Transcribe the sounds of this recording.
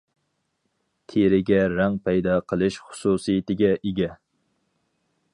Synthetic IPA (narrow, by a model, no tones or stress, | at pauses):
t̪ʰeɾɪɡʲɛɾæŋpʰɛjd̪ɑqʰəlˠɪʃχʊ̥susijɪt̪ɪɡʲɛʔeɡʲɛ